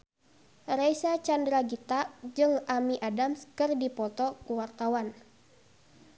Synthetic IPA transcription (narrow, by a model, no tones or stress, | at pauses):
rajsat͡ʃandɾaɡit̪ad͡ʒɨŋamiʔadamskɨrdipɔt̪ɔkuwart̪awan